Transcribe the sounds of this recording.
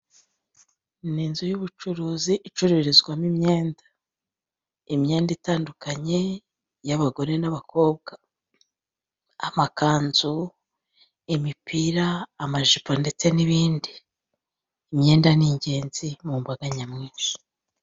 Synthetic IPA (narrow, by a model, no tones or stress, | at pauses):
niːnzujuβut͡ʃuɾuːziʔit͡ʃuɾiɾizɡwamimɲe̞ːnda | imɲe̞ːnditaːndukaɲe̞ | jaβaɡo̞ɾe̞naβako̞ːbɡa | amakaːnz̥u | imipʰiɾaːmaʒipande̞t͡se̞niβiːndi | mɲe̞ːndaniɲɟe̞ːnz̥imuːmbaɡaɲamŋiːnʃi̥